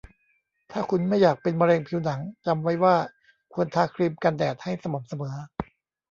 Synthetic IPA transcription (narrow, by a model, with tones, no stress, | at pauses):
t̪ʰaː˥˩kʰu˧nma˥˩jːaː˨˩k̚pe˧nma˧ɾɛː˧ŋpʰi˧wna˩˦ŋt͡ɕa˧mwa˦˥jwaː˥˩ | kʰu˧ənt̪ʰaː˧˥kʰɾi˧mka˧ndɛː˨˩t̪̚ha˥˩jsa˧mo˩˦msa˧mɤː˩˦